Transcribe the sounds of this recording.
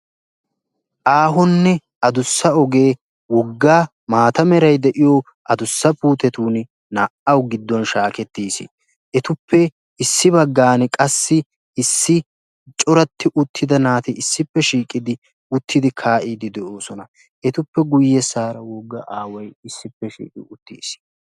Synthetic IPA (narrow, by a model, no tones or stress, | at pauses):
ʔaːɦɔnːɛ | ɐd̪ʊsːɐɔɡe̞ː | wɔɡːaː | maːt̪ɐmɛɾɐjd̪ɛʔɪjɔ | ʔɐd̪ʊsːɐpuːt̪ɛt̪uːn | naʔɐwɡɪd̪ːɔnʃaːkɛt̪ːiːsḭ | ʔɛt̪ʊpʰːɛ | ɪsːɪbɐɡːaːnkʼɐsːɪ | ɪsːɪ | t͡ʃʼɔɾɐt̪ʰːɪʔʊt̪ʰːɪd̪ɐnaːt̪ɪɪsːɪpːɛʃiːkʼːɪd̪ɪ | ʊt̪ʰːɪd̪ɪkʰaːʔiːd̪ɪd̪ɛʔoːsɔnɐ | ɛt̪ʊpːɛɡʊjːɛsaːɾɐwɔɡːɐʔaːwɐjɪsːɪpːɛʃḭːkʼɪʊt̪ːḭːs